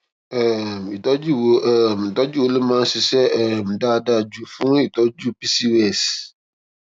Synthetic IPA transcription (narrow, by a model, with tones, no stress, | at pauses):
ɛ˨mi˨tɔ˦d͡ʒi˦wo˨mi˨tɔ˦d͡ʒi˦wo˨le˦mã˦sɪ˨sɛ˦˨m̩˨da˦˨da˦˨d͡ʒu˨fũ˦i˨tɔ˦d͡ʒu˦pi˦si˦wɛ˦˨s